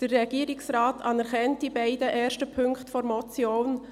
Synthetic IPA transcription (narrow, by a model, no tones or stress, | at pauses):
d̥ərːɛɡiːɾɪksɾaːtʰɑnɛɾχɛnt̚d̥ibaɪdəʔɛːɾʃtəpʰʏŋkχtfɔɾmɔt͡sjoːn